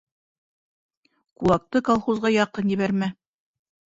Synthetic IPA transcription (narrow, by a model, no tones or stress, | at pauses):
kulˠɑk̚t̪ɤkalˠχuzʁɑjɑqɤnjɘ̆βæɾmæ